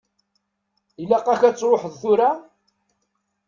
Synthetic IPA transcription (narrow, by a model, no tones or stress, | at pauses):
ilæqːɑçæt͡sːɾˤoħəðθʊɾa